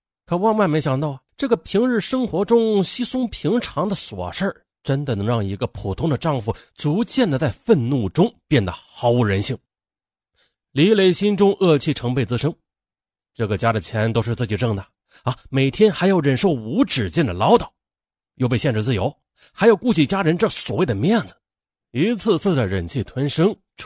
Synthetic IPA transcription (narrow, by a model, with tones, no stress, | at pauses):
kʰɤ˧˩wɑ˥˧ŋwa˥˩nme˧˥ɕjɑ˨˩ŋt̪ɑ˥˩ʊʈ͡ʂɤ˥˩ɡə˩pʰi˧˥ŋɻɻ̩˥˩ʂɤ˥ŋxwɔ˧˥ʈ͡ʂʊ˥ŋɕi˥sʊ˥ŋpʰi˧˥ŋʈ͡ʂʰɑ˧˥ŋd̪ə˧˨swɔ̰˨˩ʂə˞˥˩ | ʈ͡ʂə˥nd̪ə˨nɤ˧˥ŋɻɑ˥˩ŋi˧˥ɡə˧pʰu˨˩t̪ʰʊ˥ŋd̪ə˨ʈ͡ʂɑ˥˧ŋfu˥˩t͡su˧˥t͡ɕjɛ˥˩nd̪ə˩t͡sa˥˩ɪfə˥˧nnu˥˩ʈ͡ʂʊ˥ŋpjɛ˥˩nd̪ə̰˩xɑ˧˥ʊu˧˥ɻə˧˥nɕi˥˩ŋ | li˧˥le˧˥ɪɕi˥nʈ͡ʂʊ˥ŋʔɤ˥˧t͡ɕʰi˥˩ʈ͡ʂʰɤ˧˥ŋpe˥˩ɪt͡sɹ̩˥˧ʂɤ˥ŋ | ʈ͡ʂɤ˥˩ɡə˩t͡ɕja˥d̪ə˨˩t͡ɕʰjɛ˧˥nt̪o˥ʊʂɻ̩˥˧t͡sɹ̩˥˩t͡ɕi˨˩ʈ͡ʂɤ˥˩ŋd̪a˨˩ | ɐ˧˩me˨˩ɪt̪ʰjɛ˥nxa˧˥ɪjo˥˧˩ʊɻə˨˩nʂo˥˩ʊu˧˥ʈ͡ʂɻ̩˨˩t͡ɕjɛ˥˩nd̪ə˩lɑ˧˥ʊt̪ɑ˨˩˦ʊ | jo˥˧ʊpe˧ɕjɛ˥˧nʈ͡ʂɻ̩˥˧t͡sɹ̩˥˩jo˧˥ʊ | xa˧˥ɪjo˧˩ʊku˥˩t͡ɕi˥˩t͡ɕja˥ɻə˧˥nʈ͡ʂɤ˥˩ɡswɔ˨˩we˥˩ɪd̪ə˩mjɛ˥˩nd͡zɹ̩˨˩ | i˧˥t͡s̩ʰ˥˧t͡sʰɹ̩˥˩d̪ə˩ɻə˨˩nt͡ɕʰi˥˩t̪ʰwa˧˥nʂɤ˥ŋ